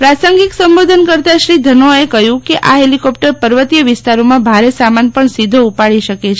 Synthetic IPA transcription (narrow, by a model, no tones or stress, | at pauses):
pɾasəŋɡiksəmbod̪ʱənkəɾt̪aʃɾid̪ʱənoekəɦjũkeʔaɦelikɔp̚ʈəɾpəɾʋət̪ijəʋɪst̪aɾomãbʱaɾesamanpəɳsid̪ʱoupaɭiʃəket͡ʃʰe